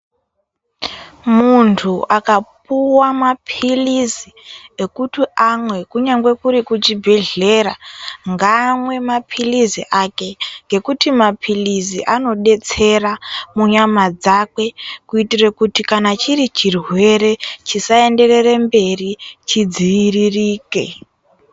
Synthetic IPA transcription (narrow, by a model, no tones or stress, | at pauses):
muntʰuʔakap̚uwamapʰilizie̞kutiamwe̞kuɲaŋɡwe̞kuɾikut͡ʃibʱe̞ɮe̞raŋɡamwe̞mapʰiliziʔake̞ŋɡe̞kutimapʰiliziʔano̞ɗe̞t͡se̞ramuɲamad͡zakwe̞kuitirekutikanat͡ʃiɾit͡ʃirwe̞ɾe̞t͡ʃisae̞nde̞re̞rembe̞rit͡ʃid͡ziiririːkḛ